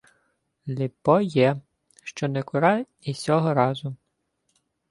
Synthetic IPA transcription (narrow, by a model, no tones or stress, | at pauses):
lʲipɔjɛ | ʃt͡ʃɔnɛkʊɾɑj | isʲɔɦɔɾɑzʊ